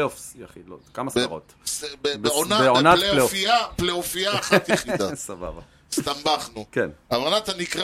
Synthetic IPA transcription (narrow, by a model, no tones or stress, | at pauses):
eofsjaχidlot̪kamasfaʁot̪sbebeonabeonatleleofiapleofiaχt̪asaba̰ba̰ | st̪ambaχnukenavanat̪anikʁ